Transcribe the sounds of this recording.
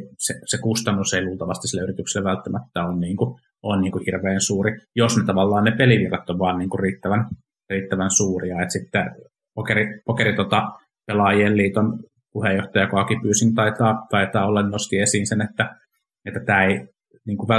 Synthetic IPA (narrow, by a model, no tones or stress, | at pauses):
sesekust̪ɑnːuseiluːlt̪ɑʋɑ̰st̪isilːæyrit̪yksilːeʋælt̪ːæmæt̪ːæonniːŋku | ʔonniːŋkuhirʋeːnsuːrijosnet̪ɑʋɑlːɑːnnepeliʋirːɑt̪ːoʋʋɑːnniːŋkuriːt̪ːæʋæn | riːt̪ːæʋænsuːriɑet̪sit̪ːɛ | pokeripokeɾit̪ot̪ɑ | pelɑjieːlliːt̪on | puhejːoht̪ɑjɑkoɑkipyːsint̪ɑit̪ɑːt̪ɑit̪ɑːolːɑnnost̪iːesiːnsenet̪ːæ | et̪ːæt̪æːei | niːŋkuʋæ